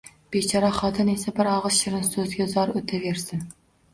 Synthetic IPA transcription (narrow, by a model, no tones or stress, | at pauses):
b̥et͡ʃʰɑɾɑχɑːt̪ʰɨnesɛbɪɾɑʁɨzʃɪɾɪnsɵzɡʲɛzɑɾɵt̪ʰɛveɾsɪn